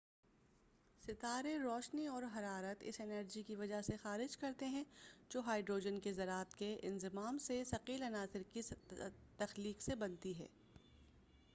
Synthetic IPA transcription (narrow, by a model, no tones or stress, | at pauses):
sɪt̪aːɾeɾɔːʃniɔːɾɦɐɾaːɾət̪ɪ̰sɪnəɾd͡ʒikiʋɐd͡ʒaɦsexaːɾɪd͡ʒkɐɾt̪eɦɛ̃d͡ʒoːɦaːɪɖɾoːd͡ʒənkezɐɾaːt̪keʔɪnzɪmaːmsesɐqiːlɐnaːzɪɾkit̪ɐxliːqsebɐnt̪iɦɛ̰ː